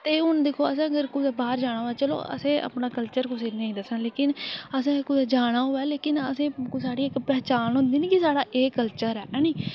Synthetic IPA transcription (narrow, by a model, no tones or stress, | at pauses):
t̪eːʊnd̪eːkʰoːəsãːəɡəɾkʊd̪ɛːbaːɾd͡ʒaːɽ̃aːɦoɛːt͡ʃəlo̰ːʔə̰sẽːʔə̰pnaːkəlt͡ʃəɾkʊseːnẽːd̪əsãːleːkɪnəsẽːkʊd̪ɛːd͡ʒaːɽ̃aːɦoːɛːleːkɪnəsẽːsaːɽiːɪkpɾət͡ʃaːnɦʊ̃ːnd̪iːnĩːkɪsaːɽaːʔeːkəlt͡ʃəɾɛːnĩː